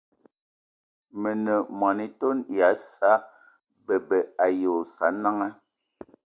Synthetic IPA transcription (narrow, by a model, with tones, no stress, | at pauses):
mə˨nə˨mwa˨ni˨to˦nja˨˦sa˦ | bə˨bə˨a˨jo˨sa˨˦na˦ŋa˦